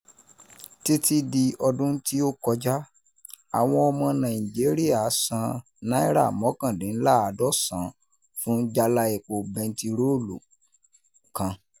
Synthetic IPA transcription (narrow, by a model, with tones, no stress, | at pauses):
ti˦ti˦di˧ɔ˧dũ˦n̩˦ti˦o˦kɔ˧d͡ʒa˦ | a˨w̃ɔ̃˧ɔ˧mɔ̃˧nã˨i˨d͡ʒe˨˦ɾi˦a˨˦sã˧ | nã˦i˦ɾa̰˦˨mɔ̃˨˦kã˦˨dĩ˨˦n̩˦la˦˨a˨˧˦dɔ˦˨sã˨˦ | fũ˦d͡ʒa˧la˧e˨k͡po˨bɛ̃˧n̩˨ti˧ɾo˦lṵ˨ | kã˧